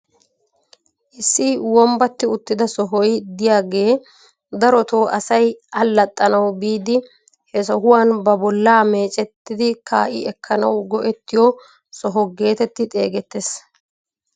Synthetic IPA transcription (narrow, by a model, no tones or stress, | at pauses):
ʔɪsːiwɔmbɐt̪ːɪʊt̪ːɪd̪ɐsɔɦɔjd̪ɪjaːɡe̞ː | d̪ɐɾɔt̪o̞ːʔɐsɐjɐlːɐt̪ʼːɐnɐwbiːd̪ɪ | hɛs̬ɔɦʊwaːnbɐbɔlːaːme̞ːt͡ʃʼɛt̪ːɪd̪ɪkʰa̰ːʔɪ̰ɛkʰːɐnɐwɡɔʔɛt̪ːɪjɔ | sɔɦɔɡe̞ːt̪ɛt̪ːɪt̪ʼe̞̰ːɡɛt̪ːes